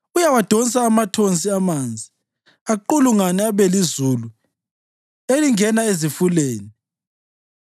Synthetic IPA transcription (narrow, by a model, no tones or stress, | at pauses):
ujawad̥ʱonsaːmatʰont͡sʼiamand͡zʱi | aǃuluŋanɛaβɛlizulu | eliŋɛnaezifuleːni